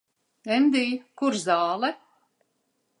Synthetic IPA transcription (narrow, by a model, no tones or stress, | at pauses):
ɛnd̪iːkuɾzaːlɛ